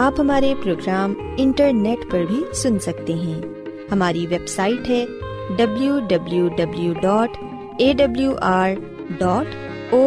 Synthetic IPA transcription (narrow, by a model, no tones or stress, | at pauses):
aːpɦɐmaːɾepɾoːɡɾaːm | ɪ̃ɳʈəɾneːʈpɐɾbʱisʊnsɐk̚t̪eɦɛ̃ː | hɐmaːɾiʋeːbsaːɪʈɦɛː | ɖɐbljuɖɐbljuɖɐbljuɖɔːʈ | eːɖɐbljuʔaːɾ | ɖɔːʈ | oː